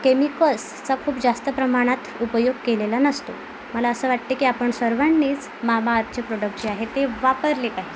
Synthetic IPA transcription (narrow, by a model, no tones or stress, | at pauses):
kemikəls | t͡sakʰuːpd͡zast̪əpɾəmaɽ̃at̪upəjoɡ̚kelelanəst̪o̰ | məlaəsəːʋaʈ̚t̪ekiːapəɳsəɾʋanːiːd͡z | mamaːt̪̚t͡ɕepɾoɽək̚ʈd͡ʑiaɦet̪eʋapəɾlekaɦi